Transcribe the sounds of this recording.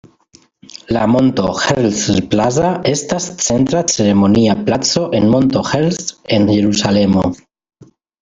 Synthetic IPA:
lamo̞nto̞heɾlslplazae̞stast͡se̞ntɾat͡se̞ɾe̞mo̞niaplat͡so̞ʔe̞nmo̞nto̞xelse̞nʝe̞ɾusale̞mo

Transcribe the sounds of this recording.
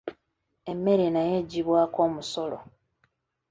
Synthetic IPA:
e̞mːe̞ɾenajeɟiβwaːko̞ːmuso̞lo̰

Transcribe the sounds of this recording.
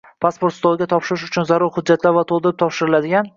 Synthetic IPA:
pʰaspo̞ɾt̪st̪ʰɒɪɡʲat̪ʰɒpʃɪɾɪʃ̬ʊt͡ʃʰʊnzaɾʊɾhʊd͡ʒːat̪laɾvat̪ʰolˠd̪ɪɾɪp̚t̪ʰɒpʃɪɾɪlad̪ɪɡʲan

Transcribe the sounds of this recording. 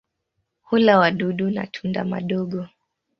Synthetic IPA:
hulawaɗuɗuna̰tʰundama̰ɗɔɠɔ

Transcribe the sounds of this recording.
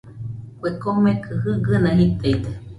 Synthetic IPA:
kʷekomekʰɨhɨɡɨnãɦit̪ait̪e

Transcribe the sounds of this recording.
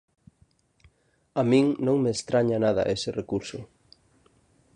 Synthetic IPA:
amĩŋnõŋmeːst̪ɾaɲanaðɐ̰ʔesɪrekuɾsʊ

